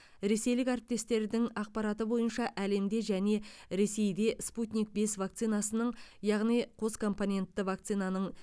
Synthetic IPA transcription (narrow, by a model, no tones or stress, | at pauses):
ɾe̞se̞jlɪkæɾɪp̚t̪e̞st̪e̞ɾd̪ɪŋɑq̚pɑɾɑt̪əbo̞jənʃɑʔæle̞md̪e̞ʒæne̞ɾe̞se̞jd̪e̞sput̪nʲik̚be̞svak̚t̪sɨjnɑsənəɴjɑʁnijqʰo̞skʰo̞mponʲe̞nt̪ːɪvak̚t̪sɨjnanəɴ